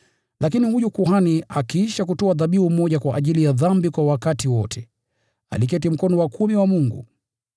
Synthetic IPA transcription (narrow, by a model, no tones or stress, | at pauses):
lakinihujukuɦaniʔakiiʃakutɔaðaɓiumɔʄakwaʔːʄilijaðambikwawakatiwɔtʰɛ | a̰lik̬ɛtim̩kɔnɔwakʰumiwamuŋɡṵ